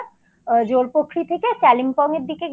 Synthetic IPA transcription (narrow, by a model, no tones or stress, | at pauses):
d͡ʑoɾpokʰːɾit̪ʰekesɛlimpɔŋeɾd̪ike